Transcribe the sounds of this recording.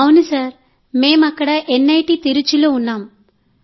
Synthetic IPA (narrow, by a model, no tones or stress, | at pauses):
ɐwunisaːɾ | me̞ːmɐkːɐɽɐʔenːɐjʈiːt̪iɾut͡ʃuloːunːaːm